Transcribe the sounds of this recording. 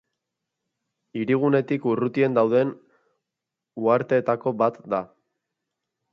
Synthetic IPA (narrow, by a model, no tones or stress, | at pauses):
iɾiɣ̞une̞t̪ikurut̪ie̞nd̪awðe̞n | uaɾt̪e̞ːt̪ako̞bat̪d̪a